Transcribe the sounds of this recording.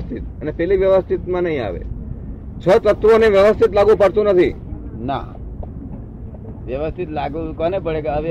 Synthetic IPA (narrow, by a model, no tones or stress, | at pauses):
st̪ʰit̪̚ənepɛliʋjəʋəst̪ʰit̪mãnəɦĩa̰ʋḛ | t͡ʃʰət̪ət̪ʰːʋoneʋjəʋəst̪ʰit̪laɡũpəɽt̪ũnət̪ʰi | na̰ | ʋjəʋəst̪ʰit̪laɡkɔnepəɽeɡaʋ